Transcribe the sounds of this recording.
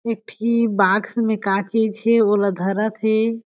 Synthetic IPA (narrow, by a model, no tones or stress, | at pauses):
ek̚ʈʰibaɡsmẽkãket͡ʃʰeolad̪ʱəɾət̪ʰe